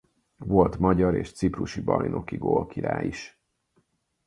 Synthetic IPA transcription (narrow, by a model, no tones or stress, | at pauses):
vo̞lt̪mɒɟɒɾḛːʃt̪sipruʃibɒjno̞kiɡolkiɾaːjiʃ